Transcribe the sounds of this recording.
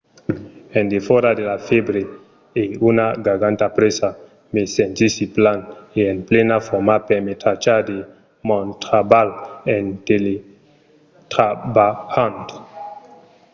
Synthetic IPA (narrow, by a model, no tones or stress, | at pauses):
endefɔɾad̪elafebɾe | eunaɡaɡant̪apɾesa | mesentisiplaneenplenafɔmapemet̪ɾat͡ʃad̪e | mɔnt̪ɾabalent̪ele | t̪ɾabahant̪o̥